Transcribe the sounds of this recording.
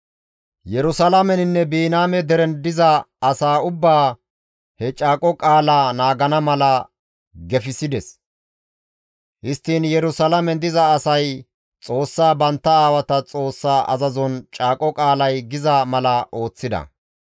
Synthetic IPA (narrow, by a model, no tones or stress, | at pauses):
jɛɾʊsɐlɐmɛnɪnːɛbiːnaːmɛd̪ɛɾɛnd̪ɪzɐɐsaːʊbːaː | hɛt͡ʃʼaːkʼɔkʼaːlaːnaːɡɐnɐmɐlɐ | ɡɛfɪsɪd̪ɛs | hɪst̪ːiːnjɛɾʊsɐlɐmɛnd̪ɪzɐːsɐj | t͡sʼo̞ːsːaːbɐnt̪ːɐaːwɐt̪ɐt͡sʼo̞ːsːaːʔɐ̰zɐzɔnt͡ʃʼaːkʼɔkʼaːlɐjɡɪzɐmɐlɐʔo̞ːt͡sːɪd̪ɐ̰